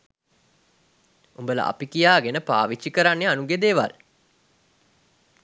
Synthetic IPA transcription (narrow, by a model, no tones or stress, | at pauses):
umbələ̰ʔa̰pikijaːɡenəpa̰ːʋit͡ʃːikəɾanːeanuɡed̪eːʋa̰l